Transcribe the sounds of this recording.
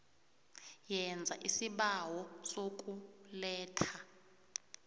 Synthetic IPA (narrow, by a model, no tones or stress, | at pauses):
jɛnd͡zʱa̰ʔisiɓawɔsokʼulɛːtʰa